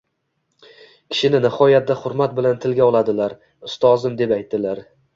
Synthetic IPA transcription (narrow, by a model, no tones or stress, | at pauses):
kʲʰɪ̥ʃɪnɪnɪhɒjat̪̚d̪ahʊɾmat̪̚bɪlant̪ʰɪlɡʲaɒlˠad̪ɪlaɾ | ʊst̪ɒzɪmd̪e̞pajt̪ːɪlaɾ